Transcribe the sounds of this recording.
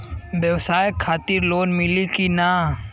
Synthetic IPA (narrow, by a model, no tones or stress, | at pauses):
bjəwsaːjekʰːaːt̪ɪɾloːnmɪlikina